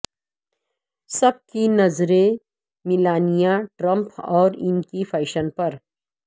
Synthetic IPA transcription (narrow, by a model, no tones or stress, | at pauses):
sɐb̚kinɐzɾe | mɪlaːnijaʈɾə̃mpɔːɾɪnkifʰɐɪʃənpɐɾ